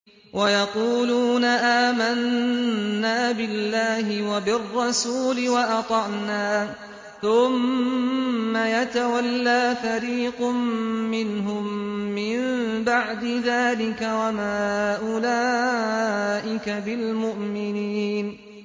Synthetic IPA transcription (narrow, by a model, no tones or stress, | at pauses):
wʔajɑquːluːnaʔaːmanː | aːbɪlːaːɦɪwabɪrˤːɑsuːlɪwɑʔɑt̪ˤɑʕnaː | θʊmː | ajat̪awalːaːfaɾiːqʊmːɪnɦʊmːɪmbaʕd̪ɪðaːlɪkawamaːʔʊlaː | ʔɪkabɪlmʊʔmɪniːn